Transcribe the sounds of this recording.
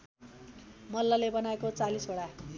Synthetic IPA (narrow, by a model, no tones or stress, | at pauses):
mʌlːalebʌnaekot͡salisoɽa